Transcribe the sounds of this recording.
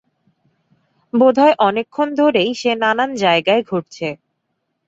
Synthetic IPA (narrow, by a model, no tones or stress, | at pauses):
bod̪ʱaeʔɔnekʰːond̪ʱoɾejʃenanand͡ʑaeɡaeɡʱoʈ̚t͡ɕʰe